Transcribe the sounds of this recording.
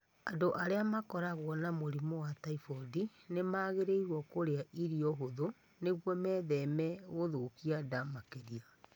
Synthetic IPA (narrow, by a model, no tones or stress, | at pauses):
a̰ndoʔaɾeamakɔɾaɣwɔnamoɾimɔwataifɔdinemaːɣeɾeiɾwɔkoɾeaʔiɾiɔɦoðo | neɣwɔmɛðɛmɛɣoðokiadamakeɾia